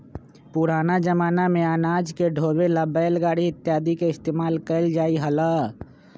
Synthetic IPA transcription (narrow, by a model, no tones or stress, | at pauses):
pʊɾaːnad͡ʒəmaːnamẽaːnaːd͡ʒkeɖʱoːbeləbɛːlɡaːɽiɪt̪ːjaːd̪ikeɪst̪eːmaːlkəɪld͡ʒaːiɦəlaː